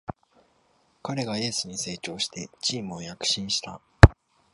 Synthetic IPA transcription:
kaɾe̞ɡaie̞sɨɲ̟ise̞ːt͡ɕo̞ːɕi̥t̪e̞t͡ɕiːmɯ̟o̞jakɯ̟̥ɕĩɰ̃ɕi̥t̪a

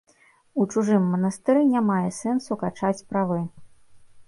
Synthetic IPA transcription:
ut͡ʂuʐɨmːɐnɐst̪ɨɾɨnʲamajɛsɛnsukat͡ʂat͡sʲpɾavɨ

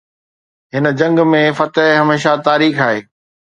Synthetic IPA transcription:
ɦɪnə̆d͡ʑɐ̃ŋɡmẽfɐt̪əɦɦɐmeːʃat̪aːɾiːxaːɦeː

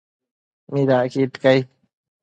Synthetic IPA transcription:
mid̪akiʈkaj

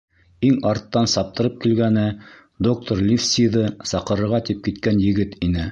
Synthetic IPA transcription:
iŋɑɾt̪ːɑnsɑp̚t̪ɤ̆ɾɤp̚kilɡænɘ | d̪ok̚t̪oɾlʲifsʲiðɤsɑqɤ̆ɾɤ̆ɾʁɑt̪ip̚kit̪kænjɘ̆ɡɘt̪inɘ

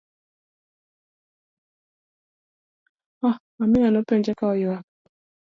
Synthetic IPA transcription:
ɔ | amɪnanopeɲd͡ʒɛkaɔjɔa

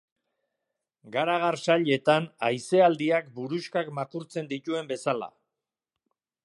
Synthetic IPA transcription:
ɡaɾaɣarsaʎe̞t̪anajse̞ald̪iakbuɾuskakmakuɾt͡se̞nd̪it̪ue̞mbe̞sala̰

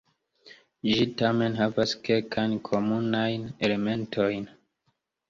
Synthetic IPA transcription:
d͡ʒitame̞nɦavaske̞lkʰajnkʰo̞munajne̞le̞me̞ntʰo̞jn

